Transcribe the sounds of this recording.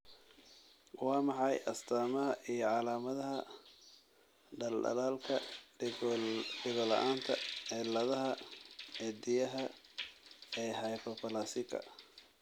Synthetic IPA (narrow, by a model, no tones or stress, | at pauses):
wɑːmɑħɑjʔɐst̪ʰaːmɐɦɐʔijɞʕɑlaːmɐðɐɦɐ | ɖɐlɖɐ̰laːlkʰɐ | ɖɪɣɔlɐ̰ʔaːnt̪ʰɐɛlɐðɐɦɐɛd̪ɪjɐɦɐ | ɛːhɑjpɔpɐlasɪkʰɐ̰